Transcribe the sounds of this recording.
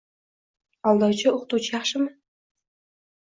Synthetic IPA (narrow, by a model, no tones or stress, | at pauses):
ɑlˠd̪ɑwt͡ʃʰɪoqt̪uwt͡ʃʰɪjɑχʃɪmɪ